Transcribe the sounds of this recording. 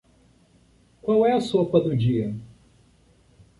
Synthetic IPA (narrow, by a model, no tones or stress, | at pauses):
kwawɛɐsopɐd̪ʊd͡ʒiɐ